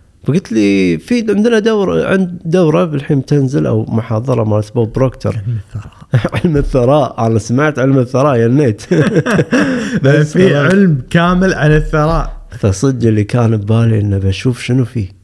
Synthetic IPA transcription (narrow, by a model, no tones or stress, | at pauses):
b̥aɡɪt̪lifiːd̪ʕɪnd̪nad̪awɾʕɪ̰nd̪̚d̪awɾˤɑbɪlħiːnt̪ɪnzɪlʔa̰wmʊħɑːðˤɑɾˤɑmaʔsbaːbɾoːkt̪ʰɑ̰ɾˤ | ʕɪlmɪθːɑɾˤɑːʔʔalasamaʕt̪ʕɪlmɪθːɑɾˤɑːʔjanːeːt̪ | basːfiʕɪlmkaːmɪlʕalaθːɑɾˤɑːʔfasˤɨd̪ːɪlːikaːnbaːliʔənːabaʃuːfʃənufiː